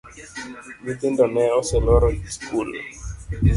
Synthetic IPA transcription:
mit̪ɪndɔnɛɔsɛlɔɾɔdiskul

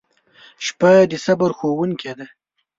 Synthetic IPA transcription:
ʃpad̪əsabaɾxowuŋkʰed̪a

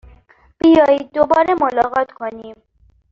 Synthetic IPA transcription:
b̥ijɒːjiːd̪̚ːobɒːɾemolɒːɣɒːt̪kʰoniːm

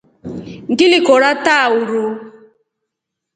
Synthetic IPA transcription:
ŋ̩ɡilikɔɾatauɾu

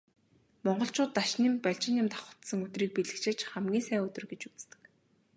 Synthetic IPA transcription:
mɔɴɢɞ̆ɬt͡ɕʰʊːt̪ːaʃnimpæɮt͡ɕɪ̆njɪ̆mt̪ḁχə̥̆t̪sə̆ŋɵt̪riːk̚piɮɘ̆kt͡ɕʰĕːt͡ɕχæmɡʲiːnsæːɵt̪ɵ̆rɡet͡ɕut͡st̪ɘ̥̆k

